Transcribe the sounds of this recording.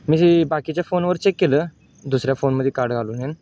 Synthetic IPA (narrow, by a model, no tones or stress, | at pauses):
mĩebakit͡ɕjafoːnʋəɾt͡ɕekːelə | d̪usɾjafonməd̪ʱːjekaɾɖɡʱaluːnen